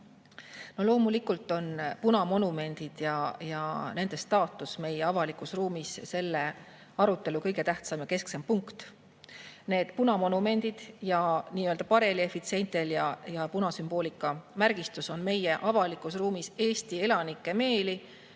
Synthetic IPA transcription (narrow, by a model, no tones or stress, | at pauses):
no̞lo̞ːmulikːult̪ːˑo̞npunɑmo̞nume̞nʲd̪̥id̪̥jɑjɑ̰ne̞nd̪̥e̞st̪ɑːt̪ːˑusme̞je̞ɑvɑlikusruːmisse̞lːe̞ | ɑɾut̪ːˑe̞lukɤjɡ̥e̞t̪æht̪sɑmjɑke̞sksempuŋkt̪ | ne̞ːd̪̥punɑmo̞nume̞nʲd̪̥id̪̥jɑniːøld̪̥ɑpɑɾe̞lie̞fit̪sie̞nt̪e̞ljɑjɑpunɑsymb̥o̞ːlikːˑɑmærɡ̥ist̪uso̞nme̞je̞ʔɑvɑlikˑusruːmise̞ːst̪ie̞lɑnikːˑe̞me̞ːli